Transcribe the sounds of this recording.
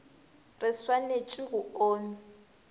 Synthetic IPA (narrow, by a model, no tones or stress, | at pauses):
rɪswanet͡ʃʼiɣuoːni